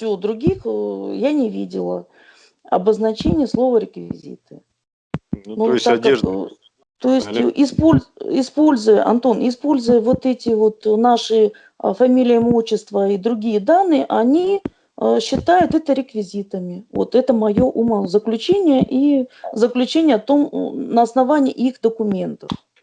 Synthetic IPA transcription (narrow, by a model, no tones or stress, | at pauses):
fsʲɪod̪ɾʊɡʲixjanʲɪvʲḭdʲɪ̰lˠə̰ | ɐ̰bəznɐt͡ɕenʲɪjəslˠo̞vəɾʲɪkvʲɪ̰zʲḭt̪ɨ̥ | nut̪ade | t̪o̞jɪsʲtʲʔɪspolʲɪspo̞lʲzʊjəʔɐ̰nt̪onɪspo̞lʲzʊjəvo̞t̪ɛtʲɪvo̞t̪naʂɨ | fɐmʲilʲɪjəmoɕːɪst̪vəid̪ɾʊɡʲijəd̪anːɨjəʔɐnʲi | ɕːɪt̪ajʊt̪ɛt̪əɾʲɪkvʲɪzʲit̪əmʲɪvo̞̰t̪ɛt̪əmɐjo̞ʔuməzəklʲʉt͡ɕenʲɪjəʔizəklʲʉt͡ɕenʲɪjət̪o̞mnəɐsnɐvanʲɪjixd̪əkʊmʲe̞nt̪əf